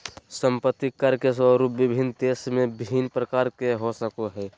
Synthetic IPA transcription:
səmpət̪ːikəɾkes̬ʋəɾuːpʋɪbʱind̪eːsmẽbʱinpɾəkaːɾkeɦosəkoɦɛː

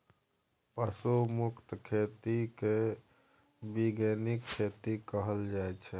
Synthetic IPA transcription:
pəsumukt̪kʰet̪ike | biɡenikʰːet̪ikəɦəld͡ʒaɛt͡ʃʰɛ

